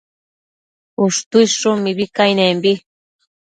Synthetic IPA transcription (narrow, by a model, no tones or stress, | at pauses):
uʂt̪uiʃʂʊmiβikajnẽmbi